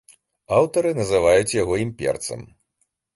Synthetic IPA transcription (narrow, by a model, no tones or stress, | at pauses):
awt̪ɐɾɨnɐzɨvajut͡sʲjaɣɔimpʲɛ̰rt̪sɐ̰m